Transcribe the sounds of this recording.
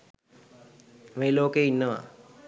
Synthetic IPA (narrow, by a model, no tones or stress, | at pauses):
meːloːkeinːəʋa̰